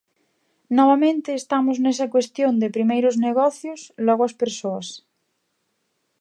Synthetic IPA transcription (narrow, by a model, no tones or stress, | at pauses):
nɔβamẽnt̪eːst̪amoznes̬akwest̪jond̪epɾimejɾozneɣ̞ɔθjoslɔɣoaspeɾsoas